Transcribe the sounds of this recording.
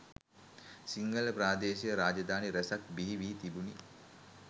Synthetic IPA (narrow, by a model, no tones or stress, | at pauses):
siŋɡələpɾaːd̪eːʃijəɾaːd͡ʒɐd̪aːniɾæsak̚biɦiʋiːt̪ibuni